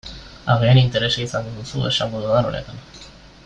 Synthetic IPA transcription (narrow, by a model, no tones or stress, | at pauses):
a̰ɣeanint̪eɾe̞saisanɡ̪ond̪usuesʃamoðuðanonḛt̪an